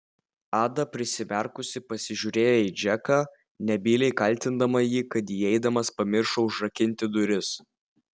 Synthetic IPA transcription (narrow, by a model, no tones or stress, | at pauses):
ɑːd̪ɐpʲɾʲɪsʲɪmʲɛɾkʊsʲɪpɐsʲɪʒʲuːɾʲeːjɛiːd͡ʒʲɛkɑː | nʲɛbʲiːlʲɛɪkɐlʲt̪ʲɪnd̪ɐmɐjiːkɐt̪jiːɛɪd̪ɐmɐspɐmʲɪɾʃoːʊʒɾɐkʲɪnʲt̪ʲɪd̪ʊɾʲɪs